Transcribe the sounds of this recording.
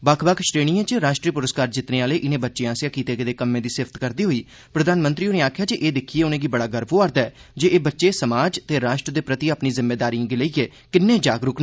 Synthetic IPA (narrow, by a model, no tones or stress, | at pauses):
bakʰbəkʰʃɾeːɽ̃iːãːt͡ʃɾaːʃʈɾiːpʊɾəskaːɾd͡ʒɪt̪neːaːleːʔɪnẽːbətːʃeːãːsjaːkiːt̪eːkɪd̪eːkəmːẽːd̪iːsɪft̪kəɾd̪iːɦoːiː | pɾəd̪aːnmənt̪ɾiːoːneːaːkʰjaːd͡ʒeʔeːd̪ɪkʰiːeːʊnẽːɡiːbəɽaːɡəɾboːaːɾd̪aɛːd͡ʒeːʔeːbətːʃeːsəmaːd͡ʒt̪eːɾaːʃʈɾəd̪eːpɾət̪iaːpniːzɪmːeːd̪aːɾiːãːɡɪleiːeː | kɪnːẽːd͡ʒaːɡɾʊkna